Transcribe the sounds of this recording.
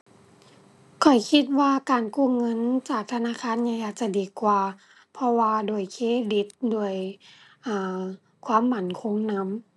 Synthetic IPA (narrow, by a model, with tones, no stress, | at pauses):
kʰɔ˨˩jkʰi˧t̪̚waː˧kaː˨nkuː˧˩˨ŋɤ˧˥˨nt͡ɕaː˨˩k̚t̪ʰa˧naː˧˥˨kʰaː˧˥˨nɲa˧ŋʔaː˨˩t̪̚t͡ɕa˧˩diː˨˩kwaː˨˩ | pʰɔ˧waː˧doː˨˩əjkʰeː˧˥˨di˧˦t̪̚du˧˩əjʔaː˨˩ | kʰwaː˧˥˨mːa˧˩nkʰo˧˥ŋna˧˥m